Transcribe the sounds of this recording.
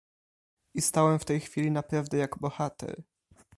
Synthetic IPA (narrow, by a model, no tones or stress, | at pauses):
ʔist̪awɛmft̪ɛjxfʲilʲinapɾavd̪ɛjaɡbɔxat̪ɛ̰ɾ